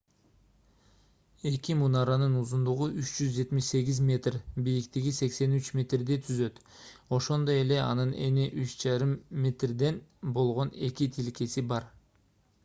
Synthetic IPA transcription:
e̞kimunɑɾɑnɯnuzund̪uʁuʔyt͡ʃd͡ʒyzd͡ʒe̞t̪miʃse̞ɡʲizmʲe̞t̪rbijikt̪iɡʲise̞kse̞nyt͡ʃmʲe̞t̪rd̪et̪ʰyzø̞t̪ | o̞ʃo̞nd̪o̞je̞le̞ɑ̰nɯne̞̰neʔyt͡ʃd͡ʒɑɾɯmːʲe̞t̪rd̪e̞nbo̞lˠʁo̞ne̞kʲit̪ʰilke̞sibɑɾ

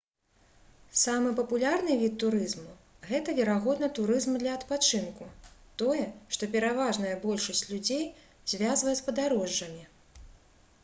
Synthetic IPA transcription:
samɨpɐpulʲarnɨvʲit̪ːuɾɨzmu | ɣɛt̪ɐvʲɛɾaɣɔd̪nɐt̪uɾɨzmd̪lʲɐɐt̪pat͡ʂɨnkut̪ɔjɛʂt̪ɔpʲɛɾavaʐnɐjɐbɔlʲʂɐsʲt͡sʲlʲud͡zʲej | zʲvʲazvɐjɛspɐd̪aɾɔʐːɐmʲi

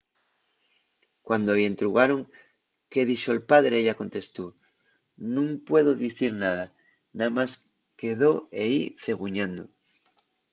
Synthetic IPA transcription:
kwand̪oe̞nt̪ɾuɣaɾoŋ | ke̞ðiʃoelpaðɾeeʝako̞nt̪e̞st̪u | nũŋpwe̞ðoðiθiɾnað̞a | namas | ke̞ðo̞eiθe̞ɣ̞uɲãnd̪o̰

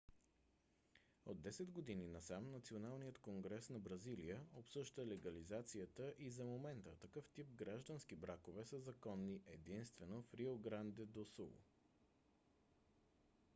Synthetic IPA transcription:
od̪ːɛsɛd̪ɡod̪ininɐsamnɐt̪sionalˠnijət̪koŋɡɾɛsnɐbɾɐzilijəopsɤʒd̪əlɛɡɐlizat̪siət̪əʔizɐmomɛnt̪ət̪ɐkɤft̪ip̚ɡɾaʒd̪ənsk̟ibɾakovɛsəzɐkɔnːiʔɛd̪inst̪vɛnofɾioɡɾand̪ɛd̪osṵlˠ

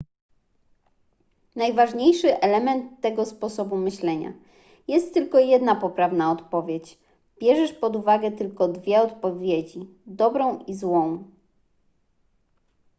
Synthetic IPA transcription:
najvaʐɲejʂɘʔɛlɛmɛnt̪ːɛɡɔspɔsɔbumɘɕlɛɲa̰ | jɛst̪ːɘlkɔjɛd̪napɔpɾavnaɔt̪pɔvʲjet͡ɕ | b̥ʲjɛʐɛʂpɔd̪uvaɡɛt̪ɘlkɔd̪vʲjɛɔt̪pɔvʲjed͡ʑi | d̪ɔbɾɔ̃w̃izwɔ̃w̃

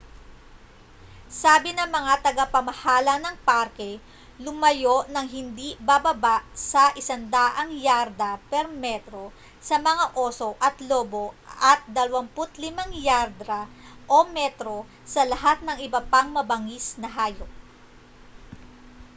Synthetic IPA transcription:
saːbɪnɐŋmɐŋat̪ɐɡapɐmɐhaːlɐnɐŋpaɾkɛ | lʊmɐjoʔnɐŋɦɪnd̪ibabɐbaʔsɐʔɪsɐnd̪aːʔɐŋjaɾd̪ɐpɛɾmɛt̪ɾo̞ | sɐmɐŋaʔo̞ːso̞ʔɐt̪lo̞ːbo̞ɐt̪̚d̪ɐlɐwɐmpʊt̪lɪmaŋjaɾd̪ɾɐ | ʔomɛt̪ɾo̞ | sɐlɐɦat̪̚nɐŋʔɪbɐpaŋmɐbɐŋisnɐɦaːjok̚

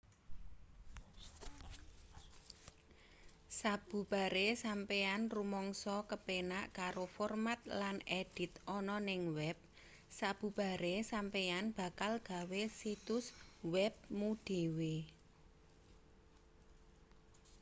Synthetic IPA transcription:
sab̥ṳb̥a̤ɾesampeanrumɔŋsɔkəpenaʔkaɾofɔrmat̪̚laneɖ̥ɪ̤t̪ɔnɔnɪŋwɛp̚ | sab̥ṳb̥a̤ɾesampeanb̥a̤kalɡ̥a̤wesit̪ʊswɛp̚muɖ̥e̤we

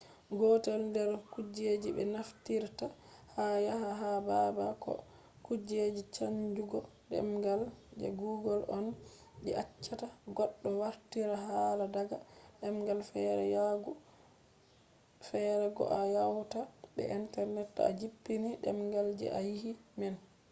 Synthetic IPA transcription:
ɡɔtɛlndɛɾkud͡ʒed͡ʒibɛ̰naftiɾta | hajaɦaɦababakɔ̰ | kud͡ʒed͡ʒit͡ʃaɲd͡ʒuɡɔ | ɗɛ̰mɡald͡ʒɛ̰ɡuɡɔlʔɔn | d͡ʒɛat͡ʃːataɡɔɗːɔwaɾtiɾaɦaladaɡaɗɛmɡalfɛɾɛ̰jaɡu | fɛɾɛɡɔ̰ʔajawtaɓɛ̰ʔintɛɾnɛtːa̰d͡ʒipːiniɗɛ̰mɡald͡ʒɛ̰ʔajihimɛn

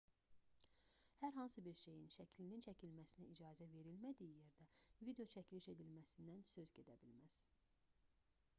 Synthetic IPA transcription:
hæɾɦɑnsɯbiɾʃe̞jinʃæcʰlinint͡ʃʰæcʰilmæsinæid͡ʒɑːzæve̞ɾilmæd̪ijije̞ɾd̪ævid̪eo̞t͡ʃʰæcʰiliʃe̞d̪ilmæsind̪ænsøzɟe̞d̪æbilmæz̥

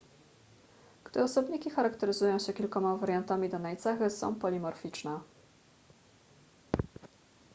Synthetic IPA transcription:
ɡ̥d̪ɔsɔbɲikʲixaɾakt̪ɛɾɘzujɔ̃w̃ɕɛkʲilkɔmavaɾjant̪amʲid̪ɔnajt̪saxɘsɔ̰̃w̃pɔlʲimɔɾfʲit͡ʂnɛ

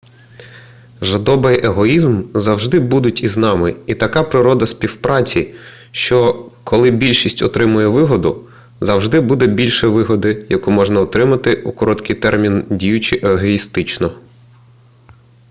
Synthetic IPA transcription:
ʒɐd̪ɔbɪjʔeɦɔizmzɐwʒd̪ɪbud̪ʊtʲiznɑmɪit̪ɐkɑpɾɪɾɔd̪ɐspʲiwpɾɑt͡sʲi | ʃt͡ʃɔkʰɔlˠɪbʲilʲʃisʲtʲɔt̪ɾɪmʊjɛʋɪɦɔd̪ʊ | zɐwʒd̪ɪbud̪ɛbʲilʲʃɛʋɪɦɔd̪ɪjɐkumɔʒnɐɔt̪ɾɪmɐt̪ɪukɔɾɔt̪kɪjt̪ɛrmʲindʲijʊt͡ʃɪʔeɦɔist̪ɪt͡ʃnɔ

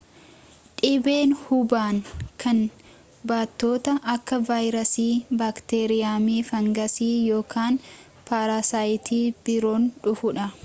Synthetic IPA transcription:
ᶑɪbeːnhʊbaːŋkʰɐn | baːt̪ːo̞ːt̪ɐʔɐkːɐvaːjɾɐsiːbaːkt̪eːɾɪjaːmiːfɐŋɡɐsiːjo̞ːkʰaːn | paːɾaːsaːjɪt̪ʰiːb̥ɪɾo̞ːnᶑʊfʊᶑɐ

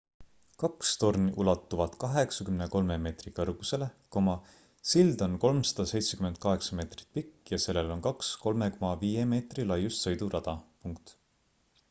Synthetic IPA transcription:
kɑkst̪o̞rniʔulɑt̪ːˑuvɑt̪kɑɦe̞ksɑkymneko̞lme̞me̞ːt̪rikɤrɡ̥use̞le̞ko̞mɑ | sild̪̥o̞nko̞lmsɑ̥d̪̥ɑse̞jt̪se̞kyme̞nt̪̚kɑɦe̞ksɑme̞ːt̪ri̥t̪̚ˑpikːjɑse̞lːelo̞nkɑksko̞lme̞komɑviːje̞me̞ːt̪rilɑjːust̪sɤjd̪urʔɑd̪̥ɑpuŋk̚t̪

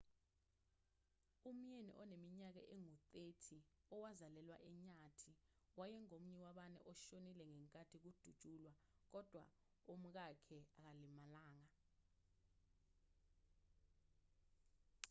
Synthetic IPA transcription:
um̩jenḭʔɔnemiɲak̬a̰ʔɛŋutʼetʰiɔwazalɛlwa̰ʔɛɲatʰi | wajɛŋom̩ɲɛwaɓanɛ̰ʔɔʃonilɛŋɛŋkʼatʰik̬ud̥ʱud̥ʼʱulwa | k̬ɔd̥ʱwa̰ | um̩k̬akʰɛak̬alimalaːŋa

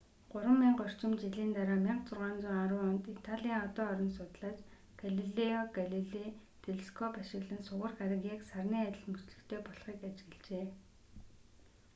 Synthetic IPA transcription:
ɢ̥ʊɾwə̆mːiːɴɢœr̥t͡ɕɪ̆mt͡ɕiɮiːnt̪aɾaːmʲiɴqt͡sʊrʁaːnt͡sʊːŋaɾʊːɔnt̪it̪ʰaɮʲiːŋɔt̪ɔːɔɾɞ̆nsʊt̪ɮaːt͡ɕ | ɡ̥aɮiɮeɔɡaɮiɮe | t̪ʰeɮskʰɔpaʃɪ̆ɣɮɘ̆nsʊʁə̆rɡaɾaɣʲaksarniːæt̪ʲɪ̆ɮmut͡ɕɮɘ̆xt̪ʰeːpɔɮχiːkat͡ɕɪ̆ɣɘ̆ɮt͡ɕeː

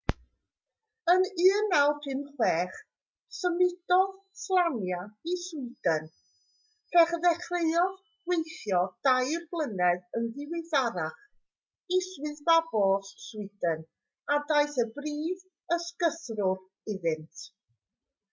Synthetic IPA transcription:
ənɨːnːawpʰɨnχwɛːχ | səmɪd̥ɔð | slˠanjaiswɪd̥ən | pʰɛχðɛχreɨɔð | wejθjɔd̥ajrblˠənɛðənðɪwɪjθaɾaχ | iswɨðbabɔsswɪdən | adajθəbriːð | əskəθrʊr | ɪðɨntʰ

